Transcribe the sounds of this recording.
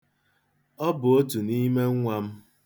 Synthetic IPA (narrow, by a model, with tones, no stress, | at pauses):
ɔ˦bʊ˨o˦tu˨ni˦me˦ŋ̩˦ŋʷa˦m̩˦